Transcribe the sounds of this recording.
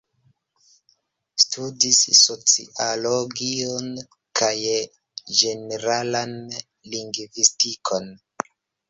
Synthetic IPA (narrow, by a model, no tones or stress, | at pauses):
studisːo̞t͡sḭʔaloɡion | kʰaj | d͡ʒe̞neɾalan | liŋɡvistikʰo̞n